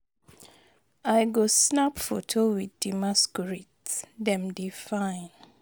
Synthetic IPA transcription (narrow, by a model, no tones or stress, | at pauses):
aɪɡosnapfo̰tʰowiθdimaskɹitsdɛ̃mdifãɪ̃n